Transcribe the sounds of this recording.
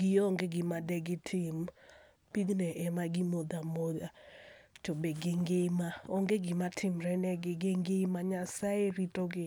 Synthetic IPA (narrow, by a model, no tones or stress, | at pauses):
ɡɪoŋɡeɡɪmadɛɡɪtʰɪm | piɡnɛʔɛmaɡɪmod̪amod̪atobeɡɪŋɡemaoŋɡeɡɪmatʰɪmɾɛnɛɡɪɡɪŋɡemaɲasaeɾitoɡɪ